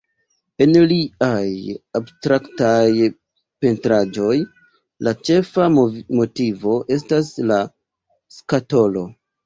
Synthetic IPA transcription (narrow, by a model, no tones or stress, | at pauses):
e̞nliajabstɾaktaj | pe̞ntɾad͡ʒo̞j | lat͡ʃe̞famo̞tivo̞ʔe̞stasla | skato̞lo̞